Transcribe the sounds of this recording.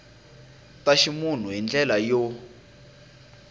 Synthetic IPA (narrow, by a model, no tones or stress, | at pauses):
taʃimun̤uɦind͡ɮɛlajo